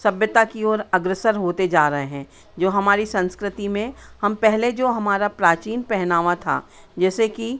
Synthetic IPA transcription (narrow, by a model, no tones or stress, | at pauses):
sɐbjət̪akiɔːɾɐɡɾəsəɾɦoːt̪ed͡ʒaːɾɐɦeɦɛ̃ː | d͡ʒoːɦɐmaːɾisɐ̃nskɾɪt̪imẽhɐmpɛɦled͡ʒoːɦɐmaːɾapɾaːt͡ʃiːnpɛɦnaːʋat̪ʰa̰ː | d͡ʒɛːseki